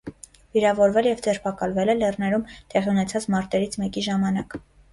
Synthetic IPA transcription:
viɾɑvɔɾvɛljɛvd͡zɛɾpʰɑkɑlvɛlɛlɛrnɛɾumt̪ɛʁiunɛt͡sʰɑt͡smɑɾt̪ɛɾit͡sʰmɛkiʒɑmɑnɑk

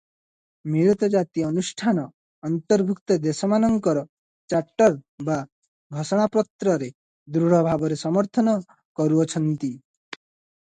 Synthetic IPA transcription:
miɭut̪ɔd͡ʒat̪iɔnusʈʰanɔː | nt̪ɔɾbʱukt̪ɔd̪esɔmanɔŋkɔɾɔ | t͡ʃaʈːɔɾba | bʱɔsɔɽ̃apɾɔt̪ɾɔɾe | d̪ɾuɽ̤ɔbʱabɔɾesɔmɔɾt̪ʰɔnɔ | kɔɾuɔt͡ʃʰɔnt̪i

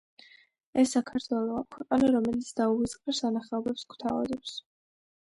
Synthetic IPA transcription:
ɛsːakʰaɾt̪ʰwɛlˠɔakʰwɛqʼanaɾɔmɛlit̪sʰd̪auvit̪sʼqʼɛsanaχɛɔbɛpskʰt̪ʰava̰d̪ɔps

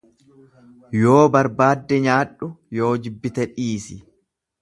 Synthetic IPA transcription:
jo̞ːbɐɾbaːd̪ːɛɲaːᶑʊjo̞ːd͡ʒɪbːɪt̪ɛᶑiːsɪ

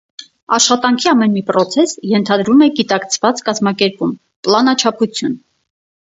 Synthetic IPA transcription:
ɑʃχɑt̪ɑŋkʰiɑmɛnmipɾɔt͡sʰɛsjɛnt̪ʰɑd̪ɾumɛɡit̪ɑkt͡sʰvɑt͡skɑzmɑkɛɾpum | plˠɑnɑt͡ʃʰɑpʰut͡sʰjun

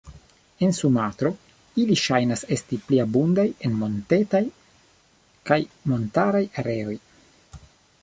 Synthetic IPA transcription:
e̞nsumat̪ɾo̞ | iliʃajnase̞stipliabundajenmo̞nte̞taj | kajmo̞ntaɾajaɾeo̞j

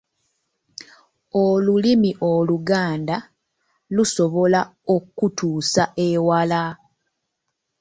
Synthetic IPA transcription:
olulimiʔoluɡaːnda | luso̞βo̞lao̞kːutuːsaʔewala

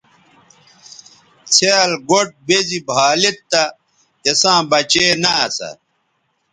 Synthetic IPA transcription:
t͡sʰelɡoʈ̚bezibʱaːlet̪ːɐ | t̪esãːbɐt͡ɕeːnasɐ̰

